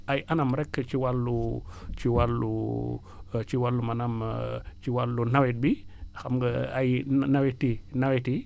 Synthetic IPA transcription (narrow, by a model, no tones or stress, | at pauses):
ʔajʔanamɾɛkːt͡ʃiwalːut͡ʃiwalːṵ | t͡ʃiwalːumɐnamt͡ʃiwalːunawit̚bixamɡəajnawitinawiti